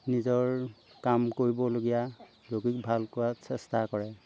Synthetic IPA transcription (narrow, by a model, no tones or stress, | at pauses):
nizɔɹkamkoɹibɔloɡija | loɡik̚bʱalkʊwasɛstakɔɹɛ